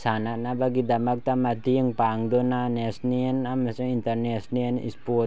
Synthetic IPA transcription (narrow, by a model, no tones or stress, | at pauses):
sanaʔnabaɡid̪amak̚t̪amad̪iəŋpaŋd̪ɔnanɛsniənamasəŋint̪ərnɛsniənḭspɔ